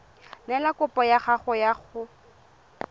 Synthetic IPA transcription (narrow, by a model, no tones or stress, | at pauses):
nɛlakʊpʼɔjaχaχʊjaχʊ